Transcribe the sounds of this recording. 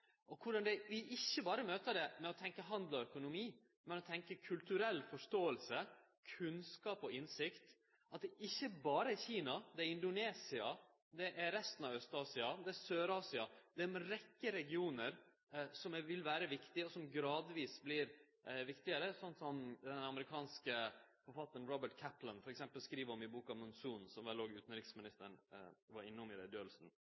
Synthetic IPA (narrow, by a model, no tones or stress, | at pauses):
ʔɔkʰʊɖɑnd̪ɛʋɪʔɪçːəbɑːɾəmøːt̪əd̪ɛmɛɔt̪ʰɛŋkəɦɑnd̪lɔœkʊnʊmiː | mɛnɔt̪ʰɛŋkəkʰʉlt̪ʉɾɛlːfɔʂt̪oːəlsə | kʰʉnskɑːpɔɪnsɪkt̪ | ɑt̪̚d̪ɛʔɪçːəbɑːɾəɛçiːnɑd̪ɛɛɾɪnd̪ʊneːsɪɑ | d̪ɛʔæɾɾɛst̪ənɑʋœst̪ɑːsɪɑd̪ɛæsøːɾɑːsɪɑd̪̥ɛmɛɾɛkːəɾɛɡɪuːnəɾ | sɔmʋɪlʋæːɾəʋɪkt̪ɪɔsɔmɡɾɑːd̪ʋiːsblɪɾ | ʋɪkt̪ɪəɾəsɔnt̪sɔmd̪ɛnɑməɾɪkʰɑːnskəfɔɾfɑt̪ːən̩ɾɔbəʈ̚kʰæplənfɔɾɛksɛmpəlskɾiːʋəɾɔmɪbuːkɑʋmʊnsuːnsɔmʋɛloːɡʉːt̪n̩ɾɪksmɪnɪst̪əɳʋɑɾɪnːɔmɪɾɛd̪øːlsn̩